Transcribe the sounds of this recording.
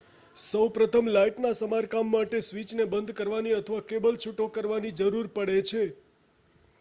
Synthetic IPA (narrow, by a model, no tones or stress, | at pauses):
səwpɾət̪ʰəmlaiʈnasəmaɾkamːaʈesʋit͡ʃnebənd̪kəɾʋaniət̪ʰəʋakebəlt͡ʃʰuʈokəɾʋanid͡ʒəɾuɾpəɽet͡ʃʰe